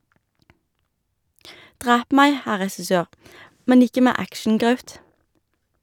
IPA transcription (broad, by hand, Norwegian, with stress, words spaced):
ˈdʁæːp ˈmæɪ ˈhæ ʁɛsɪˈsøːʁ ˈmɛn ˈɪkə ˈmæː ˈækʃn̩ˌɡʁɑʉt